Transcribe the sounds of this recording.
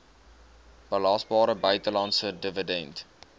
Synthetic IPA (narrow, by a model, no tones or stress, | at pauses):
b̥əlɑsbɑːɾəbœɥtəlɑnsədəvədɛnt